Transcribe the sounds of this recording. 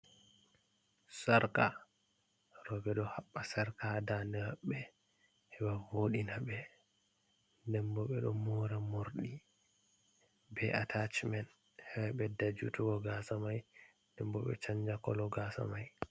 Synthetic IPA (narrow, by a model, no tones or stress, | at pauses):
saɾka | ɾɔɓɛɗɔhaɓːasaɾkadanɛhaɓːɛ | hɛwavoɗinaɓɛ | ndɛmbɔɓɛɗɔmɔɾamoɾɗi | bɛʔatʰat͡ʃmɛn | hɛbaɓɛdad͡ʒutuɡɔɡasamaj | ndɛmbɔɓɛ̰t͡ʃaɲd͡ʒakɔlɔɡasa̰maj